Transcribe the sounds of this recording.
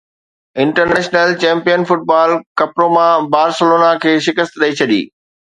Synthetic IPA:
ɪ̃ɳʈəɾneːʃnəlt͡ɕɛ̃ːmpijənfʊʈ̚baːlkɐpɾomãbaːɾsəloːnakʰeːʃɪkəst̪ɗɐit͡ɕʰɐɗḭː

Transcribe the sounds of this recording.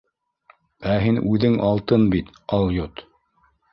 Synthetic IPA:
æɦinʉðɘŋʔɑlˠt̪ɤnbit̪ɑlˠjot̪

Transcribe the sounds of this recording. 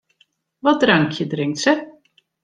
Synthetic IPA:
vad̪ɾaŋkʰjəd̪ɾɪŋsə

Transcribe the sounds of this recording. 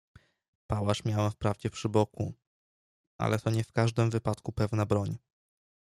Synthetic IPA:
pawaʂmʲjawɛmfpɾavd͡ʑɛpʂɘbɔku | ʔa̰lɛt̪ɔɲɛfkaʐd̪ɘmvɘpat̪kupɛvnabɾɔɲ

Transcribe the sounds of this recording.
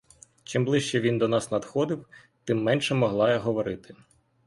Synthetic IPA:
t͡ʃɪmblˠɪʃt͡ʃɛʋʲind̪ɔnɑsnɐd̪xɔd̪ɪw | t̪ɪmːɛnʃɛmɔɦlˠɑjɐɦɔʋɔɾɪt̪ɪ̥

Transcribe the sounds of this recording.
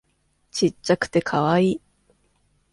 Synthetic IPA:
t͡ɕiakɯ̟̥t̪e̞kʰaβaiː

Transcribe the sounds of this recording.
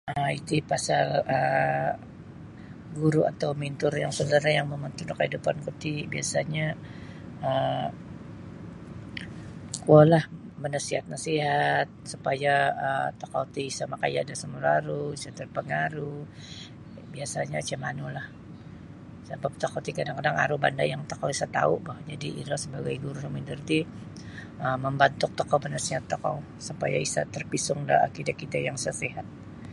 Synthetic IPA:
əit̪upasalə | ɡuɾua̰t̪awmint̪ʊrjaŋsodaɾajaŋməmənt̪unakəidupankut̪ibiasaɲa | ə | kualahmənasiɦat̪̚nasiɦat̪̚supajaət̪aka̰ut̪isamaka̰ja̰dasəmulaɾuisat̪ərpəŋaɾu | biasaɲat͡ʃɛmanulah | səbap̚t̪akawt̪ikadaŋkadaŋa̰ɾuhba̰ndajaŋt̪okawisat̪a̰ṵbahd͡ʒadiḭɾasəbaɡajɡuɾusumindərt̪i | əməmbant̪ʊk̚t̪okawbənasiɦat̪ːoka̰w | supa̰jaisa̰t̪ərpisʊŋda̰a̰kidakit̪ajaŋsaseɦat̪̚

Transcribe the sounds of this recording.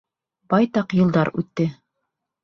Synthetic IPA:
bɑjt̪ɑqjɤ̆lˠd̪ɑɾʉt̪ːɘ

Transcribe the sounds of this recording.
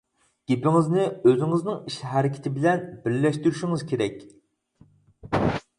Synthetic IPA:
ɡ̥ʲepɪŋɪznɪøzɪŋɨznɪŋiʃɦæɾɪkʲʰɪ̥t̪ʰɪbɪlɛnbɪɾːɛʃt̪yɾyʃiŋɨzkʲʰeɾɛkʲ

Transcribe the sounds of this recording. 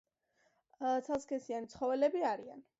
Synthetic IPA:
t̪sʰaskʰɛsianit̪sʰχɔvɛlɛbiaɾian

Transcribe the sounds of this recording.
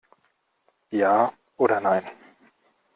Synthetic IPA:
jaː | oːɾɐnaɪn

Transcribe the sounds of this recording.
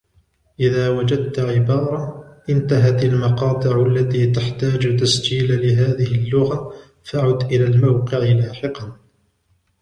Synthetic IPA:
ʔɪðaːwad͡ʒad̪̚t̪aʕɪbɑːɾˤɑʔɪnt̪aɦat̪almɑqɑːt̪ˤɨʕalːat̪iːt̪aħt̪aːd͡ʒt̪asd͡ʒiːlalɪɦaːðɪhɪlːʊɣa | faʕʊd̪ʔɪlaːlmawqɪʕɪlaːħɪqɑn

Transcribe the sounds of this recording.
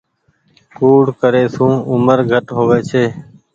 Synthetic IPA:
kuːɽkəɾeːsũːʊməɾɡʱəʈɦoːʋeːt͡ʃʰeː

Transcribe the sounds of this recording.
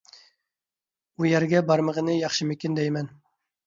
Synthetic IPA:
ujɛɾɡʲɛbɑɾməʁənɨjɑχʃɨmykʲind̪ɛjmɛn

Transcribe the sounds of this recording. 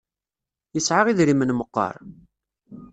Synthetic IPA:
jəsʕaʁiðɾimənməqːɑ̰ɾˤ

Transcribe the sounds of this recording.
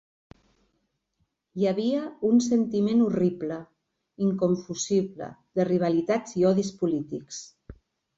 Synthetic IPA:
jaβiəunsənt̪imenuriplə | iŋkoɱfuziβlə̰ðəriβ̞alit̪ad͡ziɔðispulit̪iks

